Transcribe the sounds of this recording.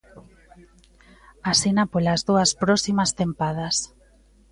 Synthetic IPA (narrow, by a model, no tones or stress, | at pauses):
asinapolazðuaspɾɔsimast̪empað̞as